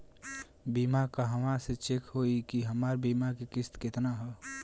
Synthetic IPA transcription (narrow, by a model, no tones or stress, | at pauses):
biːmakaɦəmaset͡ʃekɦoikiɦəmaːɾbiːmakekɪst̪kɪt̪naɦɛ